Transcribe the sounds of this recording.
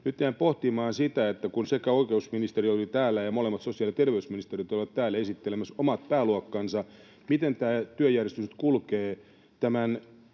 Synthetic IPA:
nyt̪jæːmpoht̪imɑːnsit̪æet̪ːækunsekæoikeusminist̪eriolit̪æːlːæjɑmolemːɑt̪sosiɑljɑt̪erʋeysminist̪erit̪olʋɑt̪tæːlːæesit̪ːelemæsomɑt̪̚pæːluɑkːɑnsɑ | mit̪ent̪æːt̪yøjærjest̪yst̪kulkeː | t̪æmæn

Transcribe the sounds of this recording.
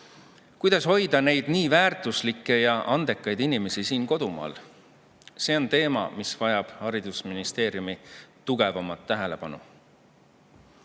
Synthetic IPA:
kujd̪̥ɑsho̞jd̪̥ɑne̞jd̪̥niːvæːrt̪ˑuslikːˑe̞jɑʔɑnd̪e̞kˑːɑjd̪inime̞sisiːnko̞d̪̥umɑ̰ːl | se̞ːo̞nt̪e̞ːmɑ̰misvɑjɑb̥hɑɾid̪̥usminist̪e̞ːɾjumit̪uɡ̥evɑmɑt̪ːæɦe̞le̞pɑnṵ

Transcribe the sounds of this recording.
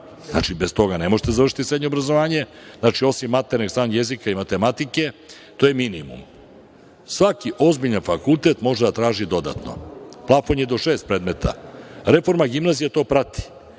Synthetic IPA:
zna̰t͡ʃibest̪o̞ɡane̞mo̞ʒet̪e̞zarʃit̪isɾeɲobɾazo̞ʋaːɲe̞znat͡ʃio̞simːat̪eɾniɡsaːnjezikaimat̪e̞mat̪ike | t̪o̞jeminimṵm | sʋakiʔo̞zbiʎanfakulˠt̪e̞t̪mo̞ʒed̪at̪ɾaːʒid̪o̞d̪a̰t̪no̰plˠafo̞njed̪o̞ʃeːst̪̚pɾeːd̪me̞t̪ʰa̰ɾe̞fo̞ɾmaɡimnaːzijat̪o̞ːpɾat̪i̥

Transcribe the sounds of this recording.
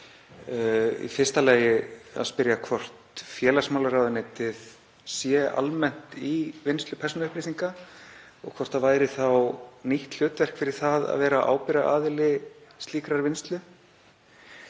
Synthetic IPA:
ḭfɪ̥st̪alaːjɪa̰ðspɪɾjakʰvɔr̥t̪fjɛːlasmawlaɾawðɪneːt̪ɪð | sjɛa̰lmɛn̥t̪ivɪnst̪lʏpʰɛrsɔnʏhpɾɪsiŋka | ɔɣkʰvɔr̥t̪avaːjɾɪθawniht̪l̥ʏːt̪vɛr̥kfɪɾɪɾ̥θaða̰ðvɛːɾaʔa̰ːwpɪɾaʔaːðɪlɪst̪liːkɾaɾvɪnst̪lʏ

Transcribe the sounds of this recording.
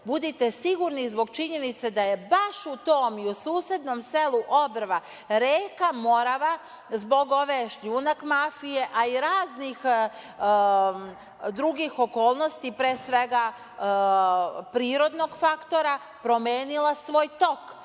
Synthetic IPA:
bud̪it̪esiɡuɾnizbo̞ɡt͡ʃiɲe̞nit̪sed̪aje̞baʃut̪oːmiusuːsje̞d̪no̞mse̞luʔobɾʋa | ɾeːkamo̞ɾaʋa | zbo̞ɡo̞ʋeʃʎuːnakmafije̞ʔaiɾaːznix | d̪ɾuɡixo̞ko̞ːlˠno̞st̪ipɾeːsʋe̞ɡa | pɾiːɾo̞d̪no̞ɡfakt̪o̞ɾa | pɾo̞meːnilasʋo̞ːjt̪o̞k

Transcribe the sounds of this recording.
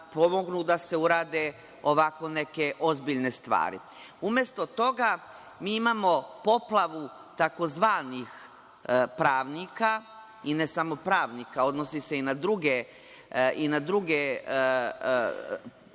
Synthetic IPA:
po̞mo̞ɡnud̪ase̞uɾaːd̪e | o̞ʋako̞ne̞ke̞ʔo̞zbiʎne̞st̪ʋa̰ːɾḭ | umje̞st̪o̞t̪o̞ɡa | miːimaːmo̞po̞plˠaʋut̪ako̞zʋaːnix | pɾaːʋnika | ine̞samo̞pɾaːʋnikao̞d̪nosise̞inad̪ɾuɡe | ʔinad̪ɾuɡe

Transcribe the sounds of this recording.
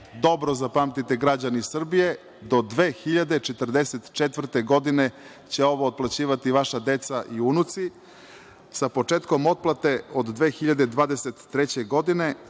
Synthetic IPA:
d̪o̞bɾozapamt̪it̪eɡɾad͡ʑanisr̩bije̞ | d̪o̞d̪ʋeːxiʎad̪et͡ʃet̪r̩d̪eset̪t͡ʃet̪vr̩t̪eɡo̞d̪ine | t͡ɕeo̞ʋoːt̪̚plˠat͡ɕiːʋat̪iʋaʃad̪et̪saʔiunut̪si | sapo̞t͡ʂeːt̪ko̞mo̞t̪̚plˠat̪e̞od̪d̪ʋe̞ːxiʎad̪ed̪ʋaːd̪eset̪ːɾet͡ɕeɡo̞d̪ine̞

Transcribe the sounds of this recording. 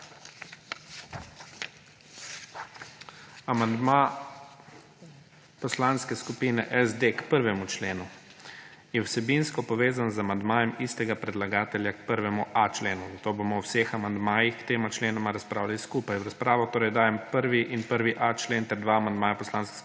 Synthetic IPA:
amand̪ma | pɔslanskɛskupiːnɛʔɛzd̪ekpəɾʋɛmut͡ʃleːnu | jɛwsɛbinskɔpɔʋeːzanzamand̪maːjɛmist̪ɛɡapɾɛd̪laɡaːt̪ɛljakpəɾʋɛmuʔat͡ʃleːnuzat̪oːbomɔwwsexamand̪maːjixkt̪eːmat͡ʃleːnɔmaɾaspɾaːwlaliskuːpajwɾaspɾaːʋɔt̪oːɾɛjd̪aːjɛmpəɾʋiʔinpəɾʋiʔat͡ʃleːnt̪ɛɾd̪ʋaːmand̪maːjapɔslaːnsks

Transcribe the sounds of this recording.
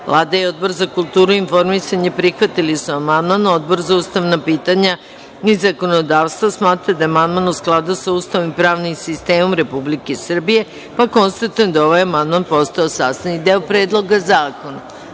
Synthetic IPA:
ʋlˠaːd̪ajeo̞d̪̚bo̞ɾzakulˠt̪uːɾuinfo̞ɾmisaɲepɾixʋat̪ilisuamand̪mano̞d̪̚bo̞ɾzauːst̪aʋnapiːt̪aɲa | izako̞nod̪aːʋst̪ʋasmaːt̪ɾad̪aamand̪manusklˠad̪usauːst̪aʋonimpɾaːʋnimsist̪eːmo̞mɾe̞publikesr̩bije̞ | pako̞nst̪at̪ujend̪ao̞ʋajamand̪manpo̞st̪aosaːst̪anid̪eopɾeːd̪lˠo̞ɡazaːko̞na

